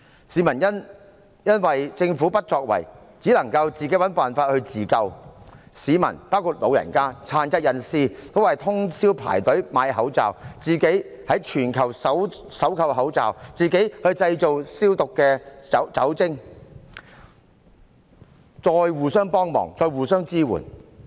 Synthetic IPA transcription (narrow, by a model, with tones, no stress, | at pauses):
siː˨˥mɐ˨˩njɐ˥n | jɐ˥nwɐ˨jt͡sɪ˧ŋfuː˨˥pɐ˥t̚t͡ʃɔː˧k̚wɐ̰˨˩j | t͡siː˨˥lɐ˨˩ŋkɐ˧wt͡siː˨ke˨˥jwɐ˨˥npaː˨nfaː˧t̚hɵ˧ɥt͡siː˨kɐ˧wsiː˨˥mɐ̰˨˩npaː˥wkʰuː˧t̚lo˨˧wjɐ̰˨˩nkaː˥t͡sʰaː˨˩nt͡sɐ˧˥t̚jɐ˨nsiː˧t̪ʰo˥wɐ˨˩jt̪ʰʊ˥ŋsiː˥wpʰa̰ː˨˩jt̪ɵ˨˥maː˨˧jɦɐ˨˥wt͡sa̰ː˨wt͡siː˨ke˨˥j | hɐ˨˥jt͡ʃʰyː˨˩nkʰɐ˨˩wsɐ˨˥wsɐ˨˥wkʰɐ˨˧wɦɐ˨˥wt͡sa̰ː˨˩wt͡siː˨˩ke˨˥jhɵ˧ɥt͡sɐ˧jt͡ʃo˨wsiː˥wt̪ʊ˨kːɛː˧˨˥wt͡sɐ˨˥wt͡sɪ˥ŋ | t͡sɔː˧jwuː˨sœː˥ŋpɔː˥ŋmɔ̰ː˨˩ŋt͡sɔː˧jwuː˨˩sœː˥ŋt͡siː˥wṵː˨˩n